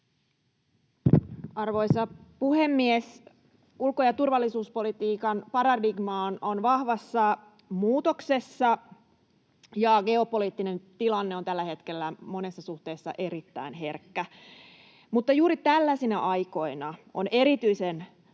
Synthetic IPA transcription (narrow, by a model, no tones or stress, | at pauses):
ɑrʋo̞jsɑpuhemːies | ulkojɑt̪urʋɑlːisuːspo̞lit̪iːkɑnpɑɾɑdiɡmɑːno̞nʋɑhʋɑsːɑ | muːt̪okse̞sːɑ | jɑɡe̞o̞po̞liːt̪ːine̞nt̪ilɑnːeo̞nt̪ælːæhe̞t̪kelːæmo̞ne̞sːɑsuht̪e̞ːsːɑ̰ʔe̞ɾit̪ːæ̰inɦe̞rkːæ | mut̪ːɑjuːɾit̪ælːæsinæʔɑjko̞inɑone̞ɾit̪yisen